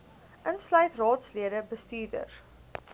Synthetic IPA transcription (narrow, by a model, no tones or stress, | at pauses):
ʔənslɐjtrɑːtsliədəbəstiːrdə̰r